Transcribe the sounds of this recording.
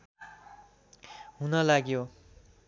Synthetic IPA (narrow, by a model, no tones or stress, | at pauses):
ɦunʌlaɡjo